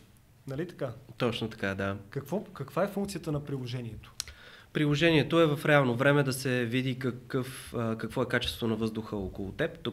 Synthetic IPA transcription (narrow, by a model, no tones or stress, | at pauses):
nɐlit̪ɐ̥kat̪ɔt͡ʃnot̪ɐ̥kad̪akɐkvɔkəkv̥aɛfuŋkt̪sijət̪ənɐpɾilˠoʒɛniɛt̪o̥pɾilˠoʒɛniɛt̪oɛvɐfɾɛalˠnovɾɛmɛd̪ɐsɛvid̪ikɐkɤfkɐkvɔɛkat͡ʃɛ̥st̪vonɐvɤzd̪ʊxəɔkʊlˠot̪ɛpt̪o